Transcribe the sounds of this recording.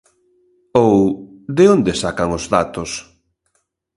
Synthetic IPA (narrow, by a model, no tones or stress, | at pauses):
owðeond̪esakaŋozðat̪os